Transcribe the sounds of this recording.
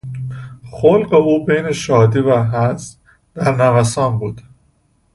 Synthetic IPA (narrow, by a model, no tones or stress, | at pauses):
xolɢeuːbejneʃɒːd̪iːvæɦæz | d̪̥æɾnævæsɒːnbuːd̪̥